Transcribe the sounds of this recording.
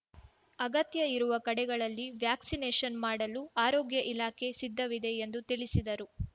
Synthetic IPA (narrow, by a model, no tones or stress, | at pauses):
ɐɡɐt̪jɐiɾuʋɐkɐɽɛɡɐɭɐlːiʋjaːksineːʃɐnmaːɽɐluaːɾoːɡjɐʔilaːkʰe̞sid̪ʱːɐʋid̪e̞ːnd̪ut̪iɭisid̪ɐɾu